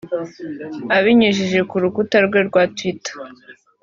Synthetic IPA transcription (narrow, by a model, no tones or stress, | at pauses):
aβiɲiʒiʒe̞kuɾukutaɾɡwe̞ɾɡwatwitḁ